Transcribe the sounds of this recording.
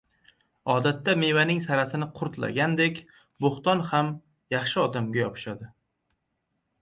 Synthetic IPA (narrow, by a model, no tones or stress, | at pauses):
ɒd̪at̪ːame̞vanɪŋsaɾasɪnɪqʰʊɾt̪la̰ɡʲand̪ekʲ | boχt̪ɒnham | jɑχʃɪɒd̪amɡʲajɒpʰɪ̥ʃad̪ɪ